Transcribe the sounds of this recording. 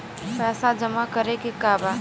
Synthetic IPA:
pɛːsad͡ʒəmakəɾekekaba

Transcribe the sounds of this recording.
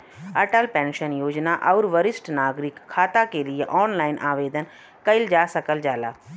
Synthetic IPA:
əʈəlpɛ̃ːnʃənjoːd͡ʒnaːʔəʊɾʋəɾɪsʈnaːɡɾɪkʰːaːt̪aːkelɪeʔɔːnlaːɪnʔaːʋeːd̪ən | kəɪld͡ʒaːsəkəld͡ʒaːlaː

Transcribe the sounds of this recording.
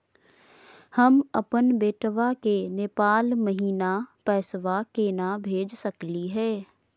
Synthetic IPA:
həməpənbeːʈʰʋakeneːpaːlməɦiːnapɛːsʋakenabʱeːd͡ʒsəkliɦɛː

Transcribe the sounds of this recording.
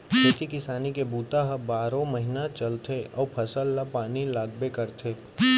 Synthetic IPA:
d͡ʒet̪ʰikɪsaːnikebuːt̪aɦɐbaːɾõməɦɪnat͡ʃɐlt̪ʰeɔːɾpʰɐsəlːapaːnilaːɡbekəɾt̪ʰeː

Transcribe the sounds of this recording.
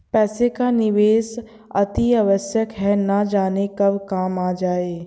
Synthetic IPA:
pɛːsekanɪʋeːs | ɐt̪iaʋəsjəkɦɛnad͡ʒaːnekɐbkaːmaːd͡ʒaːeː

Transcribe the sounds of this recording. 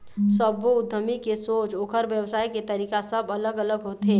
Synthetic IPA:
səboʊd̪ʱːəmikesoːt͡ʃoːkʰəɾʋjəwsaːjket̪əɐɾiːkasəbələɡələɡɦoːt̪ɦeː

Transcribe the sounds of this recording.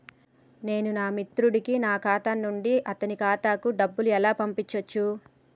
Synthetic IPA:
ne̞ːnunaːmit̪ɾuɽikinaːkaːt̪anːuɳɖiʔɐt̪ɐnikaːt̪aːkuɖɐbːuluɛlaːpɐmpit͡ʃːɐt͡ʃːu

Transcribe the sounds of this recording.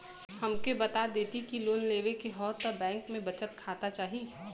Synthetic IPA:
hɐmkebɐt̪ad̪eːt̪ikiloːnleːʋekeɦɔːt̪ɔbɛ̃ːŋkmẽbɐt͡ʃət̪kʰaːt̪at͡ʃaːɦi

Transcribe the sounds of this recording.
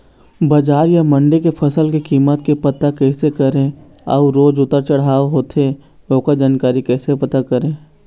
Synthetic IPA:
bɐd͡ʒaːɾjamɐ̃ɳɖekepʰɐsəlkekiːmət̪kepɐt̪akɛːsekəɾẽ | ɔ̰uɾoːd͡ʒʊt̪ːəɾt͡ʃɐɽ̤aːoɦoːt̪e | oːkad͡ʒaːnkaːɾikɛːsepɐt̪akɐɾẽː

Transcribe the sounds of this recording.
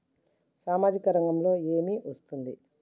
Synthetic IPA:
saːmaːd͡ʒikɐɾɐŋɡɐmlo̞ːe̞ːmiʔɐst̪und̪i

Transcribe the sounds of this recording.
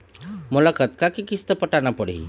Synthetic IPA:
molakət̪kakikist̪əpəʈanapəɽ̤ḭ

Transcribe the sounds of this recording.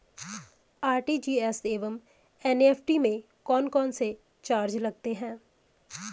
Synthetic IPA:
aːɾʈiːd͡ʒiːɛːseːʋəm | ɛneːpʰʈimẽ | kɔːnkɔːnse | t͡ʃaːɾd͡ʒlɐɡt̪eɦɛ̃ː

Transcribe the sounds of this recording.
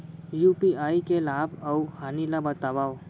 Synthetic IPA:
juːpiaːikelaːbɐuhaːnilabɐt̪aʋaːw

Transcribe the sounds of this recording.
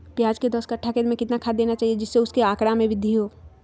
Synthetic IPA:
pjaːd͡ʒked̪əskaʈʰːakeɾmẽkɪt̪nakʰad̪eːnat͡ʃaːɦijed͡ʒɪsːeʊskeaːkɽamẽbʱɪd̪ʱːiɦoː

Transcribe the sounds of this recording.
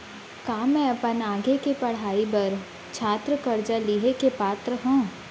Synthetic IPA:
kaːmɛ̃ɐpənaːɡekepɐɽ̤aːibɐɾ | t͡ʃʰaːt̪ɾəkɐɾd͡ʒaliɦekepaːt̪ɾəɦũː

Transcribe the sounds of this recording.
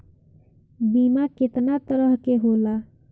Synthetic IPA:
bimakɪt̪nat̪əɾəɦkeɦola

